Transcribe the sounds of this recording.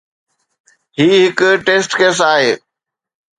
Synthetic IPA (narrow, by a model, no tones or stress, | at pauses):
ɦiːɦɪkʈeːsʈkeːs̬aːɦeː